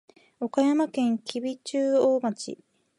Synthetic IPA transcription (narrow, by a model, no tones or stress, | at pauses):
o̞kajamakẽ̞ŋkʲʰibʲit͡ɕɨːoːmat͡ɕḭ